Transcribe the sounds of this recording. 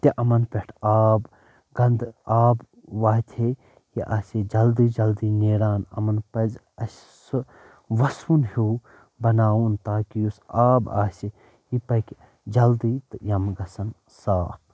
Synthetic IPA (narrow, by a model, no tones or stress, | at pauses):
t̪iʔɐmɐnpʲeʈʰaːb | ɡɐnd̪aːb | ʋaːɦt̪ʰe | jiʔaːsid͡ʒɐld̪iːd͡ʒɐld̪iːneːɾaːnɐ̰mɐnpɐz | ɐs | sɨ | ʋɐsunhu | bɐnaːwunt̪aːkijusaːba̰ːsi | jipɐkʲ | d͡ʒɐld̪iːt̪ɨjɐmɡɐsɐn | saː